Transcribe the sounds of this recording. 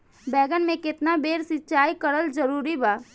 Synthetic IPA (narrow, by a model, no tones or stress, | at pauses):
bɛːɡənmẽkɪt̪nabeːɾsɪtːt͡ʃaːikəɾəld͡ʒəɾuːɾibaː